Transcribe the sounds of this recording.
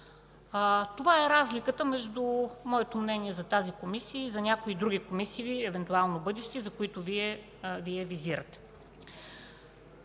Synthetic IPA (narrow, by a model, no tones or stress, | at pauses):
t̪ovaɛɾazlikət̪əmɛʒd̪umɔɛt̪omnɛniɛzɐt̪azikomisiəizɐnʲakoid̪ɾuɡʲikomisiːɛvɛnt̪ualˠnobɤd̪ɛʃt̪ɛzɐkoit̪oviɛ | viɛviziɾət̪ɛ̥